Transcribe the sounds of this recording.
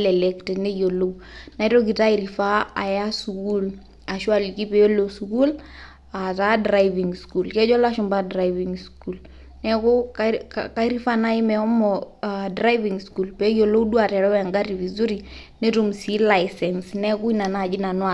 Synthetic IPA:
lɛlɛktɛnɛ˦jo˨lo˦wna˨i˦to˦ɡi˨ta˦iɾifa˦a̰˨ja˦suku˦l | a˨ʃu˦a˨liki˦pɛ˨o˦losuku˦l | a˨ta˦dɾa˦jviŋskulkɛ˦d͡ʒɔ˦la˦ʃu˨mba˦dɾaiviŋskul | nɛ˦kʊ˦ | ka˦i˦ɾi˦fa˦na˦i˦mɛɔ˦mɔdɾa˦jviŋsku˨lpɛ˨˦jo˨lo˦wdu˦a˨tɛ˨ɾɔ˦aŋɡa˦ɾivizu˦ɾi | nɛ˦tumsi˦la˨jsɛnsnɛ˦ku˦i˦na˨na˨d͡ʒi˦na˨nwa˨

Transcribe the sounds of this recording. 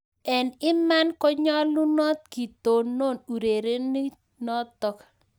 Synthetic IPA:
ɛ˨nɪ˦ma˦nkɔ˦ɲɔ˦lu˦nɔ˦t̪̚ki˨t̪o˨no˦˨nu˨ɾe˨ɾe˦ni˦ | nɔ˦t̪ːɔ˨˦k

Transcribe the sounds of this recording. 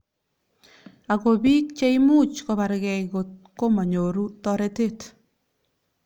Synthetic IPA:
a˨ko˨bi˦k̚t͡ʃe˦imu˦t͡ʃko˨ba˨ɾɡɛ˨iko˨t̚ko˦ma˨ɲo˨ɾu˦tɔɾe˦te˦t

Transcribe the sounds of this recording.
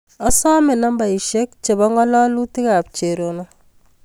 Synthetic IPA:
ɔ˦sɔ˦mɪ˨na˦mba˨i˨ʃe˦k̚t͡ʃe˨bɔ˦ŋɔ˦lɔ˦lu˦ti˦ka˨p̚t͡ʃe˨ɾo˨nɔ˦

